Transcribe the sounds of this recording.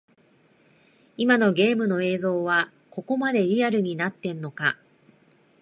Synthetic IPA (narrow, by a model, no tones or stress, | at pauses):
imano̞ɡe̞ːmɯ̟no̞e̞ːzo̞ːβa | ko̞ko̞mad̪e̞ɾʲiaɾɯ̟ɲ̟inat̪ːẽ̞nːo̞ka